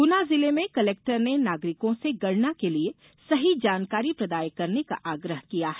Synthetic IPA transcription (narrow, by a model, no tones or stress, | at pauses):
ɡʊnazɪlemẽkɐleːk̚ʈəɾnenaːɡɾɪkõseɡɐɽnakelie | sɐɦid͡ʒaːnkaːɾipɾɐd̪aːjkɐɾneka̰ʔaːɡɾəɦkijaɦɛ